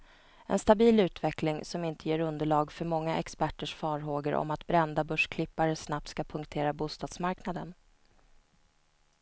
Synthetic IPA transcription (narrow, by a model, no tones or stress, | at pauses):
ɛ̰nst̪abiːlʉ̟ːt̪vɛklɪŋsɔmɪnt̪əjeːɾɵnd̪əɭɑːɡfœɾmɔŋːaʔɛkspæʈːəʂfɑːɾɦoːɡəɾʔɔ̰mat̪bɾɛnd̪abɵʂkʰlɪpːaɾəsnap̚t̪skapʰɵŋkt̪ʰeːɾabuːst̪ɑːd̪smaɾknad̪ən